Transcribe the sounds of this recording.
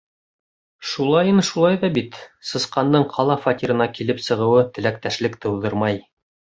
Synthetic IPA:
ʃulˠɑjɤnʃulˠɑjðɑbit̪sɤ̆sqɑnd̪ɤɴqʰɑlˠɑfatʲiɾɤ̆nɑkilɘpsɤ̆ʁɤ̆wɤt̪ɘ̆lækt̪æʃlɘkt̪ɤ̆wðɤɾmɑj

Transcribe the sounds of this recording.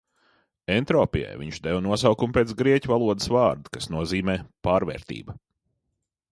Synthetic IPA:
ent̪ɾɔːpija̰jviɲt͡ʃd̪ɛvnuɔsawkumpʲeːt̪s̬ɡɾiɛcʲuvalˠuɔd̪ə̥svaːɾd̪u̥kasnuɔziːmɛːpaːɾvɛ̰ːɾt̪ḭːbɐ

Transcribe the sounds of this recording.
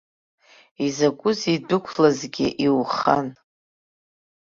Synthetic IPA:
izakʷʼʊzidʊkʷʰlazɡʲɪ̰ʔiwχa̰n

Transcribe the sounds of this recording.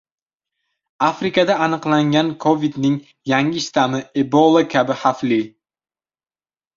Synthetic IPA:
afɾɪkad̪aːnɨqlˠaŋɡʲankʰovid̪nɪŋ | jaŋʲɪʃt̪amɪebɔlˠakʲʰabɪhafli

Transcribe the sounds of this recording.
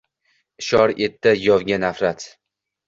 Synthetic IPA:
ɪʃɒɾet̪ʰːajɒvɡʲanafɾat̪

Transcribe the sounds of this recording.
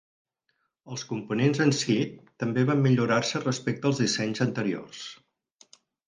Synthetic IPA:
əlˠskumpunenzənsit̪ːəmbeβamːiʎuɾarsərəspek̚t̪əːlˠzðisɛɲzənt̪əɾio̰rs

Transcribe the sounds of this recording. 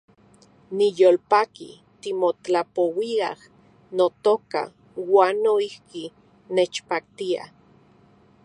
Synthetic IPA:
nijoːlpakḭ | t̪imoapowia̰h | not̪oka̰ | waːnːoihki | net͡ʃpak̚t̪ia̰

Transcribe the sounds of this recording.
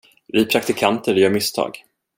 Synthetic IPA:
ɾɪːpʰɾak̚t̪ɪkʰant̪əɾjœːɾmɪst̪ʰɑ̰ːɡ

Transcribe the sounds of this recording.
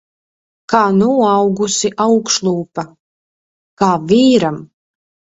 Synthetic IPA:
kaːnuɔawɡusiʔawkʃlˠuːpa | kaːviːɾam

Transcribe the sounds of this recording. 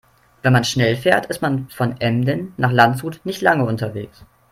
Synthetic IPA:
vɛnmanʃnɛlfeːɐtɪstmanfɔnʔɛmdənːaːχlantshuːtnɪçtlaŋəʊntɐveːks

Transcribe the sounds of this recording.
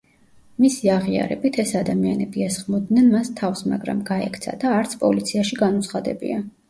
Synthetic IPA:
misiaʁia̰ɾɛ̰bit̪ʰɛsad̪amianɛbiɛsχmɔd̪nɛnmast̪ʰafsma̰ɡɾa̰mɡaɛkʰt̪sʰa̰d̪aːɾt̪sʰpʼɔlit̪sʰiaʃiɡanut̪sʰχad̪ɛbḭa

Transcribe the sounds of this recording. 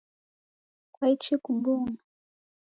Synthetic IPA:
kwait͡ʃikumbuna

